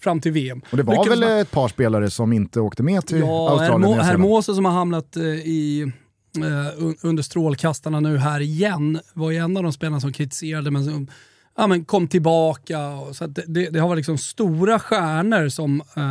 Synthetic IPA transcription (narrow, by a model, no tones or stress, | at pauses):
fɾamːt̪ʰɪlveːɛmɔd̪ɛvʏɾvɛlɛt̪̚pʰɑːʂpeːlaɾəsɔmɪnt̪əoːkt̪əmɛt̪ʰɪlɑːah̪æɾmhɛɾmoːsəs̬ɔmhaɾɦamnat̪ɪ | ɵɵnd̪əʂt̪ɾoːlkʰast̪aɳanʉ̟ːɦæːɾɪjɛnːvaɾjɵɛnːavd̪ɔmspeːlanas̬ɔmkʰɾɪt̪ɪ̥seːɾad̪əmɛnsɔm | amɛnkʰɔmːt̪ʰɪlbɑːkaɔsɔat̪̚d̪ɛd̪ɛd̪ɛhavaɾlɪksɔmst̪uːɾaɧæːɳəɾsɔm